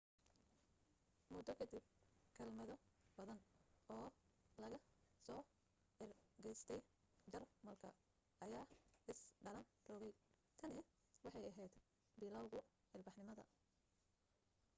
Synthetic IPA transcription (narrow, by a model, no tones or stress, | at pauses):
mʊd̪ɔkʰɐd̪ib̚kʰɐlmɐðɔbɐðɐnɔːlɐɣɐsɔː | ʕɪrɡɛjst̪ʰɛj | d͡ʒɐrmɐlkʰɐ | ʔɐjaːɪsɖɐlɐn | rɔɣɛjt̪ʰɐnɪ | wɑħɑjɐɦɛjd̪ | bɪlɐwɣʊ | ħɪlbɑħnɪmɐðɐ̰